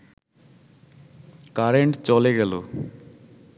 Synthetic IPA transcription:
kaɾeɳʈt͡ɕoleɡɛlo̰

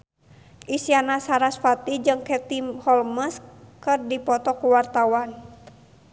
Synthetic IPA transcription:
ʔisianasaɾasfat̪id͡ʒɨŋkɛt̪imhɔlməskɨrdipɔt̪ɔkuwart̪awan

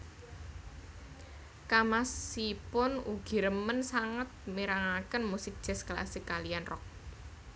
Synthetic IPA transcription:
kamasipʊnuɡ̥i̤ɾəmənsaŋət̪̚miɾaŋakənmusɪk̚d̥ʒ̥ɛ̤skla̰sɪkːalianrɔ̰k̚

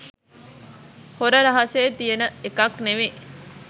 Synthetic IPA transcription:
hoɾəɾɐɦɐseːt̪ijenəekɐkneʋe

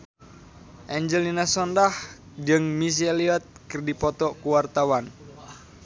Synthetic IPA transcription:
ʔɛɲd͡ʒɛlinasɔndah | d͡ʒɨŋmis̬ieliɔt̪̚kɨrdipɔt̪ɔkuwart̪awan

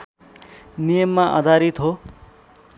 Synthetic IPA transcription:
nijʌmːaʔʌ̰d̪ʱaɾit̪ɦo

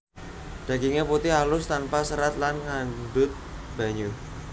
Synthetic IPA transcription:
d̥a̤ɡiŋeput̪ɪɦalʊst̪anpasəɾat̪̚lanŋanɖʊt̪̚ | b̥a̤ɲu

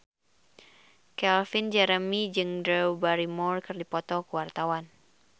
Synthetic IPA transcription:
kɛlfind͡ʒɛɾəmid͡ʒɨŋdɾɛbaɾimɔrkɨrdipɔt̪ɔkuwart̪awan

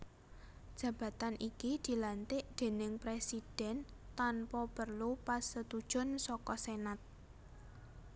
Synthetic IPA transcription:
d̥ʒ̥ä̤b̥ä̤t̪anʔikid̪̥i̤lant̪ɪʔd̪̥e̤nɪŋpɾesid̥ɛ̤nt̪anpɔpərlupasət̪ud̥ʒ̥ʊ̤nsɔkɔsenat̪̚

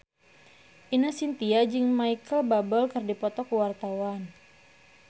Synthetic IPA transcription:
ʔinasint̪iad͡ʒɨŋmaikəlbabɔlkɨrdipɔt̪ɔkuwart̪awan

